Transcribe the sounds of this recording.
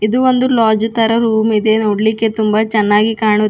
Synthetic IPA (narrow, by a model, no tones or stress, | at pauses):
id̪uond̪ulaːd͡ʒut̪ɐɾɐɾuːmid̪enoːɽlikːe̞t̪umbɐt͡ʃɛnːaːɡikaːɳu